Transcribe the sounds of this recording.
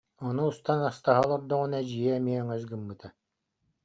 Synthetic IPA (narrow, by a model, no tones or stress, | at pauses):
ɔnuːst̪anast̪aɦalˠɔɾd̪ɔʁunad͡ʑijɛɛmiɛŋɛzɡɯmːɯt̪a